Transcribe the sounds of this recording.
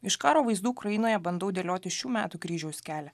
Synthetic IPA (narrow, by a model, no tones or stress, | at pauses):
ɪʃkɑːɾoːʋɐɪzd̪uːkɾɐjɪnoːjɛbɐnd̪ɐʊd̪ʲeːlʲoːt̪ʲɪʃʲuːmʲæ̰ːt̪uːkɾʲiːʒʲɛʊsʲkʲæːlʲɛ